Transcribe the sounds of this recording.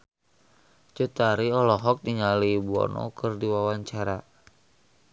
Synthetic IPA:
t͡ʃut̪aɾiɔlɔɦɔk̚diɲalibuɔ̰nɔ̰kɨrdiwawaɲt͡ʃaɾa

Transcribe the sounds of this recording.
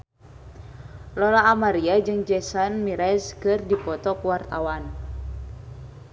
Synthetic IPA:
lɔlaːmaɾiad͡ʒɨŋd͡ʒɛsanmiɾɛskɨrdipɔt̪ɔkuwart̪awan

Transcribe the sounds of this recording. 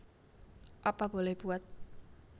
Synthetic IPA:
ʔapab̥olɛhb̥uat̪̚

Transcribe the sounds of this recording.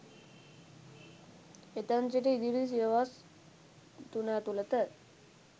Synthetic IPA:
et̪ənt͡ʃiʈeid̪iɾis̬ijəʋas | t̪unat̪ulət̪ə

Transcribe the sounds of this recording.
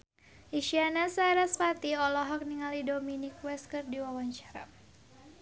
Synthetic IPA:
iʃianasaɾaspat̪iɔlɔɦɔk̚niŋalidominikwɛskərdiwawaɲt͡ʃḁɾa̰

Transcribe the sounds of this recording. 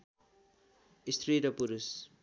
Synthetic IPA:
ist̪ʰriɾʌpuɾus

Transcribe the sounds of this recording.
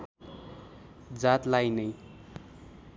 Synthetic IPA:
d͡zat̪lajnʌj

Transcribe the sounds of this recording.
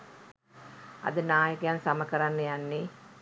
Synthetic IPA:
a̰d̪ənaːjəkəjansaməkəɾanːəjanːe

